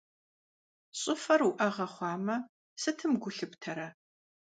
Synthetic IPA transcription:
ɕʼɪfɐruʔɐʁɐχʷɑːmɐ | sɨtʰɨmɡʷʊɬɨptʰɐɾɐ

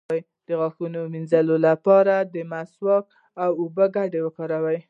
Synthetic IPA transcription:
aj | d̪̥əɣɑxunominzalolapɑɾad̪əmaswɑk̚ | awobəɡaɖewəkɑɾawaj

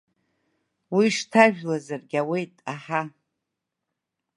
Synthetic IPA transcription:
wiʂtʰaʒᶣlazarɡʲawe̞jtʼaħa

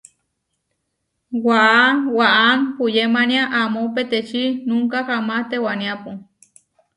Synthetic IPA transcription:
waʔanwaʔanpujemãnĩaʔamõpet̪et͡ʃinũŋkakamãt̪ewanĩapu

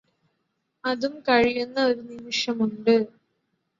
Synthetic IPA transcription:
ɐðumkɐɻijunːɐo̞ɾunimiʂjɐmuɳɖɨ

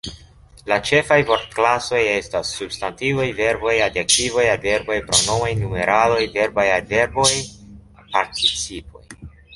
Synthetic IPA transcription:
lat͡ʃe̞fajvo̞ɾtklaso̞je̞stasːubstantivojve̞ɾbo̞jadek̚tivo̞jalve̞ɾbo̞jpɾono̞vajnume̞ɾʔalo̞jve̞ɾbajalve̞ɾbo̞j | paɾtʰit͡sipo̞̰j

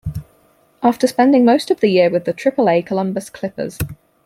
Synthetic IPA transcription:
ʔɑˑftəspɛ̃ndɪ̃ŋməʊstəvðəjɪəwɪðətʰɹ̥ɪpəleɪkʰəlʌ̃mbəskʰl̥ɪpə̰z̥

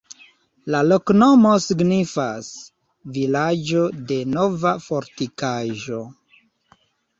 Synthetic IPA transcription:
lalo̞kno̞mosiɡnifas | vilad͡ʒode̞no̞vafo̞ɾtikaʒo̞

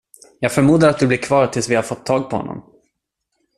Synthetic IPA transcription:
jɑːɡfœɾmuːd̪aɾat̪̚d̪ɵblɪɾkʰvɑːɾt̪ʰɪlsvɪhaɾfɔt̪ʰːɑːɡ̚pʰɔhɔ̰nːɔ̰m

